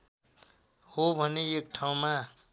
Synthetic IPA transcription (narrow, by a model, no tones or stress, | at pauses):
hobʱʌneek̚ʈʰaũma